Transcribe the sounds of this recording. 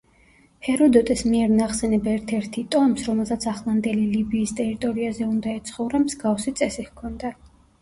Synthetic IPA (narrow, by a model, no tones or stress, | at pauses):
hɛɾɔd̪ɔt̪ʼɛsmiɛɾnaχsɛnɛbaɛɾt̪ʰɛɾt̪ʰit̪ʼɔmsɾɔmɛlˠsat̪sʰaχlˠand̪ɛlilibiːst̪ʼɛɾit̪ʼɔɾiazɛund̪aɛt̪sʰχɔvɾamzɡafsit̪sʼɛsihkʰɔnd̪a